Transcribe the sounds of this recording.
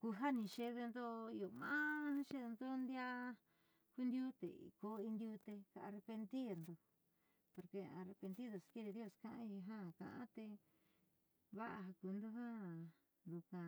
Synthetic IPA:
ku˧ɦa˦nĩ˧ʃe˧ðe˧nd̪o˦i˧o˨mã̰˦ʃe˦ðe˧nd̪o˦nd̪ja˦ | ku˧nd̪ʲju˦t̪ḛ˨ḭ˨ko˧i˧nd̪ju˧t̪e˧ka˧ʔa˧re˧pe˧nt̪i˦ɾnd̪o˧ | po˧ɾke˧ã˧re˧pe˧nd̪i˦ðo˨ske˦ɾe˧ðjo˧skã˧ʔã˧˦i˧ɦã˦˨kã̰˧˨ʔã̰˦t̪e˧ | βa˦ʔa˧ɦa˧ku˧nd̪o˧˦ɦa˦˨ | nd̪u˧kã˧

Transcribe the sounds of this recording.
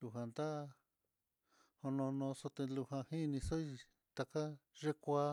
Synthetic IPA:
lu˧ɦa˨nd̪a˦˧ | hõ˧nõ˧nõ˧so˧t̪e˧lu˧hã˧hĩ˦˧nĩ˧so˦i˧ | t̪a˧ka˦ʐe˦kʷa˦

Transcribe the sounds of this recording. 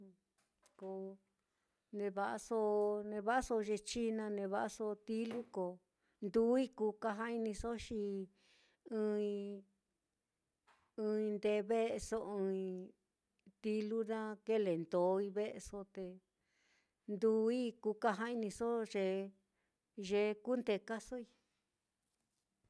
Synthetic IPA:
ko˧ | nẽ˧βa˧ʔa˧so˦nẽ˧βa˦ʔa˦so˧ʐe˧t͡ʃi˦nã˧nẽ˧βa˧ʔa˧so˧t̪i˦lu˦ko˨ | nd̪u˦i˦ku˧ka˧ɦã˦i˧nĩ˧so˦ʃi˧ | ɨ̃ː˧ĩ˧ | ɨ̃ː˧ĩ˧nd̪e˧βe˦ʔe˧so˧ɨ̃ː˧i˧ | t̪i˧lu˦nã˦ke˦le˨nd̪o˨˦i˧βe˦ʔe˧so˧t̪e˧ | nd̪u˧i˦ku˧ka˧ɦã˦i˧nĩ˧so˦ʐe˧ | ʒe˧ku˦nd̪e˧ka˦so˦i˧

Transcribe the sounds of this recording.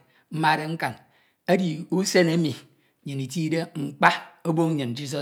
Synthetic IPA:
m̩˦ma˦˨ɾe˦ŋ̩˦ka˨n | e˦di˨u˦se˦ne˦mi˨ | ɲɨ˨ni˨t̬i˦de˦ŋ͡m̩˨k͡pa˦o˦bo˦ŋ˦ɲɨ˨nd͡ʒi˦s̬ɔ˨

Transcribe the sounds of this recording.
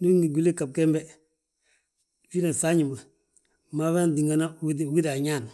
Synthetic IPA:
nu˦i˦ŋɡi˨ɡu˨li˦ka˨b̚kɛ˦mbɛ˦ | fi˦na˨sa˦ɲi˨mbə˨ | ma˦βa˦n˨di˨ŋɡa˨na˦wdwi˦da˨ɲa˦˨n˨

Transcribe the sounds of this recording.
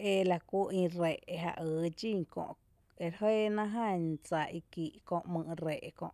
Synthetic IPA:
e˧la˧ku˦ĩ˧re˨ʔe˧ɦa̰˧ʔɨː˨˦d͡ʒĩ˦˧˨ŋkõ̰˧˨ʔ | e˨ɾheː˦nã˦ɦã˦˧ɲt͡sa˧˨ʔi˧ki˨ʔkõ˧ʔmɨ̃˧ɾe˨ʔkõ̰˧ʔ

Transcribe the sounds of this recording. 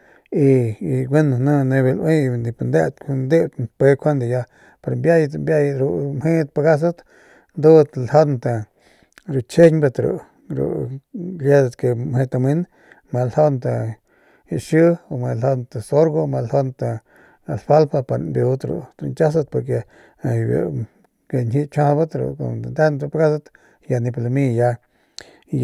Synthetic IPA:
i˧˨ɡʷe˦n˨nã˦ne˧be˧lʔwʔĩ˦˧nd̪i˧pa˧nd̪e˦t̪kʰu˧nd̪e˦t̪npe˧kʷʰa˦nd̪a˨ja˧ | pa˧ɾmbja˦jt̪mbja˦jɾu˧mhe˦t̪̚pa˧ɡa˦s̬a˦t̪ | nd̪u˦t̪lha˦nt̪a˨ | ɾu˨t͡ʃe˦ɲba˧t̪ɾṵ˨ | ɾṵ˨ɡe˦d̪a˧t̪ke˧˨mhe˧t̪a˧mi˦n | ma˧lho˦nt̪a˧ | a˨ʔʃɨ˦o˧ma˧lho˧nt̪a˧so˦ɾɡo˦ma˧lho˦nt̪a˧ | a˨lfa˦lpa˧pa˧ɾmbju˧t̪ɾṵ˧t̪ɾu˧nt͡ʃa˦s̬a˧t̪̚po˧ɾk̬e˧ | a˨ba̰˨ | ɡe˨nʲhi˧˦t͡ʃã˧ba˦t̪ɾṵ˨ko̰˨a˨nd̪e˦nt̪ɾpa˧ɡa˦s̬at̪ | ja˧ni˧pla˧mi˧ja˧

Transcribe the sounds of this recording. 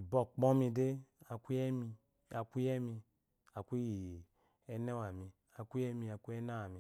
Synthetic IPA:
i˨bɔ˨k͡pɔ̃˦mi˧de˦a˨kʷu˦ɛ˦mi˧ | a˨kʷu˦jɛ˦mi˧ | a˨kʷi˦ji˨ | ɛ˦nɛ˦wa˨mi˨ | a˨kʷu˦ɛ˦mi˧˨a˨ku˦ɛ˦na˦wa˨mi˨

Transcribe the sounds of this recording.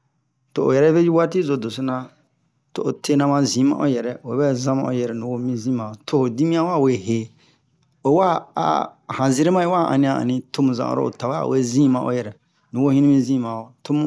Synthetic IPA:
to˨ʔo̰˨jɛ˨ɾɛ˦ve˦ji˦wa˦ti˦zo˨do˨so˦nã˧ | to˨ʔo˨tʰe˦nã˦mã˧˨zĩ˨˦mã̰˦ʔo˦jɛ˨ɾɛ˨e˨˦bɛ˦zã˦mã̰˨ʔo˨˦jɛ˨ɾɛ˨nũ˨wo˦mĩ˦zĩ˦mã˨o˨tʰo˦ho˨di˦mĩ˦ã˦wa˦˨we˨he˨ | o˨˦wa˦a̰˨hã˨zi˦ɾe˦mã˦e˦wa˦˨ʔã̰˨nĩ˦ã˨a̰˨nĩ˨tʰo˦mũ˨zã̰˨ʔo̰˨ɾo̰˦o̰˨ta˨wa̰˨we˦zĩ˦mã˨ʔo̰˦jɛ˨ɾɛ˨ | nũ˨wo˦hĩ˦nĩ˦mĩ˦zĩ˦˨mã˨o˨tʰo˦mũ˦

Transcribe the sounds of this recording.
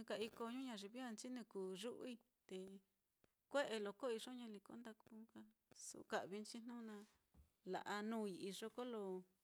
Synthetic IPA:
ka˧i˧ko˧ɲũ˦ɲã˧˨ʐi˧βi˦a˧nt͡ʃi˦nĩ˧kuː˨ʐu˦ʔi˧ | t̪e˧ | kʷe˦ʔe˧lo˧ko˦i˧ʐo˦ɲã˧li˧ko̰˧˦nd̪a˧ku˧˦ka˧ | sṵ˧ka˨ʔβi˧nt͡ʃi˦n̥nũ˦nã˧ | la̰˨ʔa˧nũ˦i˧i˧ʐo˧ko˦lo˧

